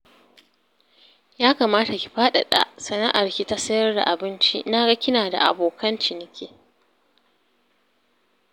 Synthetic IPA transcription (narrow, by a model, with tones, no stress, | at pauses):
jaː˦kaː˨maː˦ta˨kʲi̥˨ɸaː˦ɗa̰˨ɗa̰˦˨ʔsɐ˨na˦ʔa˨rkʲi˦ta˦sɐ˦jɐ˦rda̰˨ʔa˨bɪ˦nt͡ʃḭ˦na˦ɡa˦kʲɪ˦naː˨da̰˨ʔa̰˨boː˨kʰɐ˦nt͡ʃɪ˨nɪ˨kʲeː˦